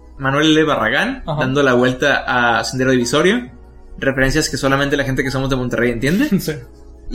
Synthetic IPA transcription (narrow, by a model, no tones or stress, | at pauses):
manwe̞leleβara̰ɣand̪and̪o̞laβwe̞lt̪aʔasend̪eɾoðiβiso̞ɾjo̞ | refe̞ɾe̞ns̬jaske̞so̞lament̪e̞laxe̞nt̪ekeso̞mo̞zðemont̪e̞rejent̪je̞nd̪esi